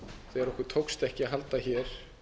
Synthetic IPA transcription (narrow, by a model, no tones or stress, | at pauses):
θeɛɾɔhkʏɾ̥t̪ʰowkst̪ɛhcɪaɦalt̪açɛɾ̥